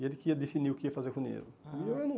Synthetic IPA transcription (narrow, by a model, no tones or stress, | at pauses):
iɛd̪ikiɐd̪efiniukiiɐfazekũnḛluewɛnũ